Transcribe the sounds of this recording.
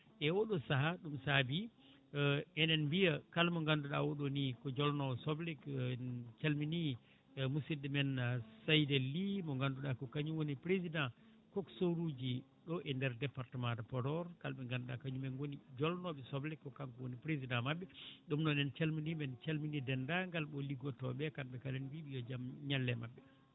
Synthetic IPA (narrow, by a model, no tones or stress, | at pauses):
ʔɛwɔɗɔsaɦaɗumsabi | ɛnɛnbijakalmɔŋɡanduɗa̰woɗonikɔd͡ʒɔlnɔɛsɔblik | t͡ʃalmini | musidːɛmɛnsajdelːimɔŋɡanduɗakɔkaɲuwonipɾezidã | kɔksoɾud͡ʒi | ɗɔʔɛndɛɾdɛpaɾtɛmadapɔdɔɾkalɓɛŋɡanduɗa̰kaɲumɛnwonid͡ʒɔlnɔɓɛsɔblɛkːɔkaŋkɔwonipɾezidãmaɓːɛɗumnɔnɛnt͡ʃalminimɛnt͡ʃalminidɛndaŋɡalɓɔliɡɔtɔɓɛkamɓɛkalɛnwiɓijɔd͡ʒamɲalːɛmabːɛ